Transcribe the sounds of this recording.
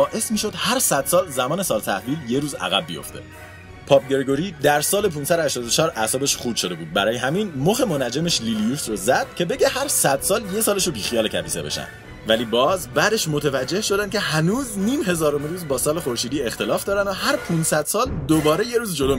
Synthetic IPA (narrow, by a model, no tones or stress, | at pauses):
ɒːʔe̞smiːʃo̞d̪̥hæɾsæd̪̥sɒːlzæmɒːne̞sɒːlt̪ʰæhviːlje̞ɾuːzæ̰ɣæbːijo̞̰ft̪ʰe̞̰ | pʰɒːp̚ɟe̞ɾɡo̞ɾiːd̪æɾsɒːle̞pʰuːnsæd̪hæʃt̪ɒːd̪ot͡ʃʰɒːɾʔæsɒːbe̞ʃχuːbʃo̞d̪e̞buːd̪̚bæɾɒːjeɦæminmoxe̞monæd͡ʒemeʃlilijuːsrozæd̪̥̚cʲʰe̞be̞ɟe̞hæɾsæd̪̥sɒːlje̞sɒːleʃobiːxijɒːlecʰæ̰biːse̞̰be̞̰ʃæ̰nd̪ | væliːbɒːzbæd̪e̞ʃmot̪ʰevæd͡ʒːe̞hʃo̞d̪ænd̪cʰe̞hænuːzniːmɦe̞zɒːɾomeɾuːzbɒːsɒːle̞xoɾʃiːd̪iːext̪e̞lɒːfd̪ɒːɾænd̪ohæɾpʰunsæd̪̥sɒːld̪obɒːɾe̞je̞ɾuːzd͡ʒo̞lo